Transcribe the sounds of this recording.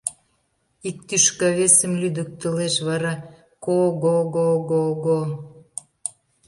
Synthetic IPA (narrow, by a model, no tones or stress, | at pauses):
ik̚t̪yʃkɑβesə̆mlyd̪ək̚t̪ə̆leʃβɑɾɑ | koɣoɣoɣoɣo